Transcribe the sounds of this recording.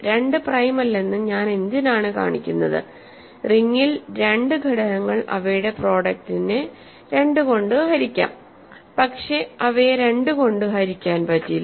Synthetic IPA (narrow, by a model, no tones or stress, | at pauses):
ɾe̞ɳɖɨprɐjmɐlːe̞nːumɲaːne̞nd̪jɐnaːɳɨka̰ːɳikʲːunːɐðɨ̰ | riŋːilɾe̞ɳɖɨɡʱɐɽɐnɐŋːɐɭʔɐ̰ʋɐjɽe̞pro̞ːɽɐk̚tine | ɾe̞ɳɖɨko̞ɳɖɨɦɐɾikʲːa̰ːm | pɐkʂe̞ɐʋeɾe̞ɳɖɨko̞ɳɖɨɦɐɾikʲːaːnpɐtːil